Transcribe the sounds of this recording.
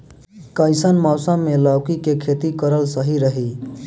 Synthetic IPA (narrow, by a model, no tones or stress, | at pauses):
kəɪsənmɔʊsəmːeləwkikekʰet̪ikəɾəlsəɦiɾəɦi